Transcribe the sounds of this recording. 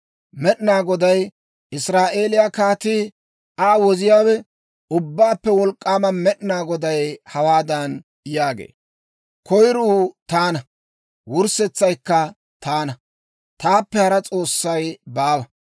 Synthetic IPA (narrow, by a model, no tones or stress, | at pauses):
mɛɗnaːɡɔd̪ɐj | ʔɪsɾaːʔe̞ːlɪjakaːt̪iː | ʔaːwɔzɪjaːwɛ | ʊbːaːpːɛwɔlkʼːaːmɐnmɛɗnaːɡɔd̪ɐjhɐwaːd̪ɐn | jaːɡḛː | kɔjɾuːt̪aːnɐ | wʊɾsɛt͡sːɐjkːɐ | t̪aːnɐ | t̪aːpːɛhɐɾɐt͡sʼo̞ːsːɐjbaːwɐ